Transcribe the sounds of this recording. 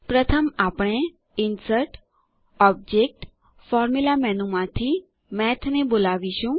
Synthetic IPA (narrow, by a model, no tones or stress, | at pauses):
pɾət̪ʰəmapɽ̃e | ɪnsəɾʈ | ɔb̚d͡ʒek̚ʈ | fɔɾmulamɛnumãt̪ʰi | mɛt̪ʰnebolaʋiʃũ